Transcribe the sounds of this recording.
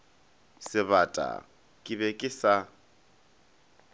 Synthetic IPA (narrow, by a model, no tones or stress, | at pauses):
sɪβatʼa̰ | kʼɪβɛkʼɪsa